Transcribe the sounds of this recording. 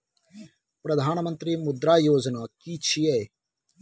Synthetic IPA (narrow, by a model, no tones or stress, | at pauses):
pɾəd̪ʱaːnmə̃nt̪ɾiːmʊd̪ɾaːjoːd͡ʒnaːkiːt͡ʃʰiːɛː